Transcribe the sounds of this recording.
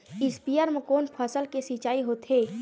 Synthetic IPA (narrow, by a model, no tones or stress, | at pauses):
ɪspijəɾmẽkoːnpʰəsəlkesit͡ʃaːiɦoːt̪ɦeː